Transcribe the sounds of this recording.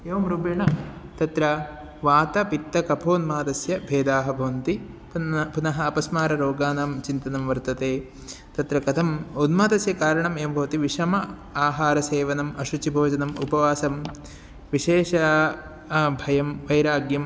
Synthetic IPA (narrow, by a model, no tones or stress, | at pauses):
eːʋɐmɾubjɐɳɐt̪ɐt̪ɾɐ | ʋaːt̪ɐpit̪ːɐkɐpʰoːnmaːd̪ɐsjɐbʱeːd̪aːɦɐbʱɐʋɐnt̪i | ppunɐɦɐːpɐsmaːɾɐɾoːɡaːnaːmt͡ʃint̪ɐnɐmʋɐɾt̪ɐt̪eː | t̪ɐt̪ɾɐkɐt̪ʰɐmunmaːt̪ɐsjɐkaːɾɐɳɐmeːʋɐmbʱɐʋɐt̪iʋiʂɐmɐ | aːɦaːɾɐseːʋɐnɐmɐʃut͡ʃibʱoːd͡ʒɐnɐmupɐʋaːsɐm | ʋiʃeːʂɐ | bʱɐjɐmʋɐjɾaːɡjɐm